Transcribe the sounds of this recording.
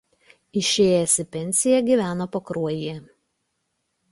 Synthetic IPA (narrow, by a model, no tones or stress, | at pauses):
ɪʃʲeːjɛsʲɪpʲɛnʲsʲɪjɛɡʲiːˑʋʲæːnoːpokɾuɔjɪjɛ